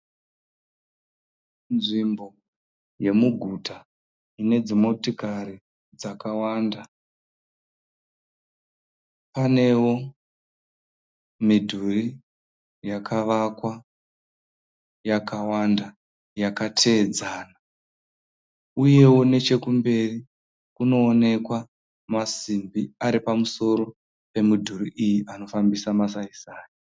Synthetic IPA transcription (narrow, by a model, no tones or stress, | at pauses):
nʐimbo̞ | je̞muɡʱutʰa | ine̞d͡zimo̞tikaɾi | d͡zakawaːnda | pane̞wo̞ | midʱuri | jakʰaʋakwa | jakawanda | jakatʰe̞ːd͡zaːna | uje̞wo̞ne̞t͡ʃe̞kumbe̞ri | kuno̞ːne̞kwa | masimbiaɾipamuso̞ɾo̞ | pe̞midʱuriʔijiʔano̞fambisamas̬aisaːjo